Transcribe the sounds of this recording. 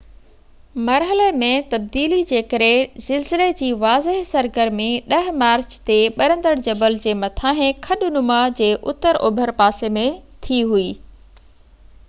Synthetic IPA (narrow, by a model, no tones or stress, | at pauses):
mɐɾɦəlemẽt̪ɐb̚d̪iːlid͡ʑeːkɐɾezɪlzɪled͡ʑiːʋaːzɪɦsɐɾɡəɾmẽɗɐɦmaːɾt͡ɕt̪eɓɐɾə̃nd̪əɽd͡ʑɐbəld͡ʑeːmɐt̪ʰaːɦẽkʰɐɗʊnʊmad͡ʑeːʔʊt̪əɾʔobʱəɾpaːsemẽt̪ʰiɦuiː